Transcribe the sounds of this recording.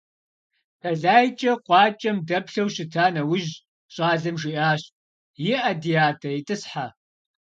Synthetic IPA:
tʰɐɮaːjt͡ʃʼɐqʷɑːt͡ʃʼɐmdɐpɬɐwɕɪtʰaːnɐwʊʒ | ɕʼɑːɮɐmʒiʔaːɕ | jɪʔɐdijaːtʰɐitʼɨsħa

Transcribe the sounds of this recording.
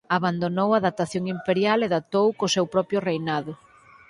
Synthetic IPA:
aβand̪onowaðat̪aθjoŋimpeɾjaleðat̪owkosewpɾɔpjʊrejnaðʊ

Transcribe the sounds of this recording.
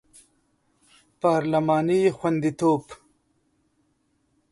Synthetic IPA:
pɑːɾlamɑːnixwand̪it̪oːb

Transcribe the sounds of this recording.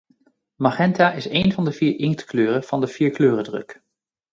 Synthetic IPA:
maχɛntaːʔɪsejnvɑndəviːɹɪŋktkløːrəv̥ɑndəv̥iːɹkløːrədrɵ̰k

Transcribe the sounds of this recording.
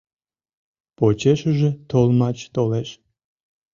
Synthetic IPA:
pot͡ɕeʃəʒĕt̪olmɑt͡ɕt̪oleʃ

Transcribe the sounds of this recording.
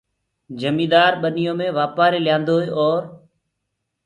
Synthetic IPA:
d͡ʒəmĩːd̪aːɾɓənɪjõːmẽːʋaːpaːɾeːljãːnd̪oːɦeːʔɔːɾ

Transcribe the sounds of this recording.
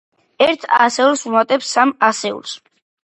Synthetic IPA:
ɛɾt̪ʰa̰sɛulˠsumat̪ʼɛpsːamasɛṵlˠs

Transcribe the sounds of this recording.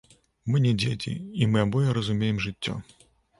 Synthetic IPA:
mɨnʲɛd͡zʲet͡sʲḭimɨabɔjɛɾɐzumʲejɛmʐɨt͡sʲːɔ̰

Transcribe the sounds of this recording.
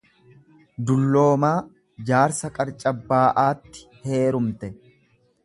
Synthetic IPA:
d̪ʊlːo̞ːmaː | d͡ʒaːɾsɐkʼɐɾt͡ʃʼɐbːaːʔaːt̪ːɪ̥he̞ːɾʊmt̪ɛ

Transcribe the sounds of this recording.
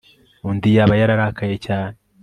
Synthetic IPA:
undijaβajaɾaɾakajecaːne

